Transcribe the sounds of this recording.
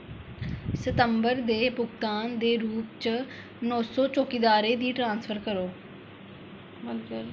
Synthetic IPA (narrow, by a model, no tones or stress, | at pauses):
sət̪əmbəɾd̪eːpʊkt̪aːnd̪eːɾuːp̚t͡ʃ | nɔːsɔːt͡ʃoːkid̪aːɾeːd̪iːʈɾãːnspʰəɾkəɾoː | bɪlkəl